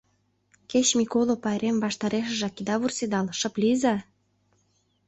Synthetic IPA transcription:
ket͡ɕmʲikolopɑeɾembɑʃt̪ɑɾeʃ̬ə̆ʒɑkːid̪ɑβursid̪ɑlʃə̆plizɑ

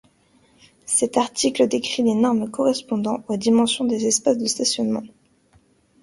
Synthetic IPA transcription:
sɛt̪aʁt̪ikləd̪ekχid̪enɔʁmkɔʁɛspɔ̃d̪ɑ̃od̪imɑ̃sjɔ̃d̪ezɛspasd̪əst̪asjɔnmɑ̃

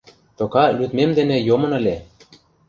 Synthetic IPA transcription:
t̪okɑlʲyt̪memd̪enĕjomɤ̆nə̆lʲe

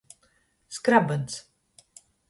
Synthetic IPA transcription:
skɾabɨnt̪s

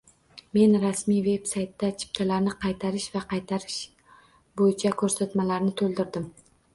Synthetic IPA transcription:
me̞nɾasmijve̞bsajt̪ːat͡ʃʰɪ̥p̚t̪ʰalaɾnɪqʰɑjt̪ʰaɾɪʃvaqɑjt̪ʰaɾɪʃ | bojɪt͡ʃʰakʰɵɾsat̪malaɾnɪt̪ʰolˠd̪ɪɾd̪ɪm

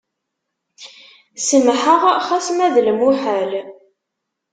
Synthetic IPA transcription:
səmħəʁχæsmæðlmuħæl

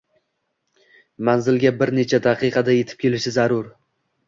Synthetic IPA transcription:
manzɪlɡʲabɪɾne̞t͡ʃʰad̪aqʰɨqʰɑd̪aje̞t̪ʰɪ̥p̚kʲe̞lɪʃɪzaɾʊɾ

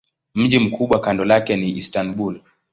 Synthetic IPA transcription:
m̩ʄim̩kuɓwakandɔlakɛniistanɓul

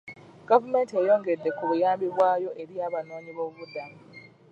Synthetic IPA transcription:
ɡ̥avumeːntiejo̞ːŋɡe̞dːe̞kuβujaːmbiβwaːjo̞ʔeɾiaβanoːɲiβouβudamu

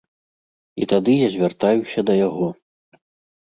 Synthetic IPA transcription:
ḭt̪ad̪ɨjazʲvʲart̪ajusʲɐd̪ɐjaɣɔ

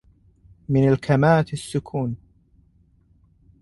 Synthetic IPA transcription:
mɪnalkʰamaːt̪asːʊkʰuːn

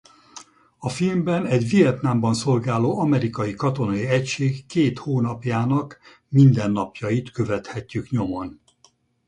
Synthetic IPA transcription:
ɒfilmbɛnɛɟvijɛt̪nambɒnso̞lɡaːloːɒmɛɾikɒjikɒt̪o̞nɒiɛcʃeːkːeːt̪hoːnɒpjaːnɒk | mind̪ɛnːɒpjɒjit̪kø̞vɛt̪hɛcːykɲo̞mon

